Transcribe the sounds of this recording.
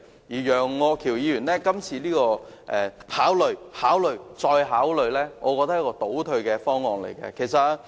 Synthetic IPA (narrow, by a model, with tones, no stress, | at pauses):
jiː˨˩jœː˨˩ŋːɔː˨˧kʰi˨˩wjiː˨˧jyː˨˩nlɛː˥kɐ˥mt͡sʰiː˧liː˥kɔː˧ʔɛː˨haː˨˥wlɵ˨˧ɥhaː˨˥wlɵ˧ɥt͡sɔː˧jɦaː˨˥wlɵ˨˧ɥlɛː˥ŋɔ̰ː˨˧kɔː˧t̪ɐ˥k̚jɐ˥kɔː˧t̪o˨˥wt̪ʰɵ˧ɥkɛː˧fɔː˥ŋːɔː˧ŋlḛ˨˩jkɛ̰˧kʰe˨˩jsɐ˨t̚